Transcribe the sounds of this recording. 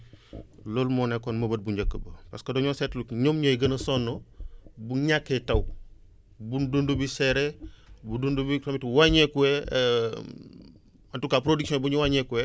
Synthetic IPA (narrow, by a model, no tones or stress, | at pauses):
lolmɔnekonmɐbɐt̚buɲɟəkːəbəpaskɐdɔɲosɛtlukɲomɲɐjɡɐnɐsonːobuɲakːetɐw | bundundubisɛɾebudundubikɾomitwaɲɛkuwɛ | antukapɾodiksiɔ̃buɲuwaɲɛkuwɛ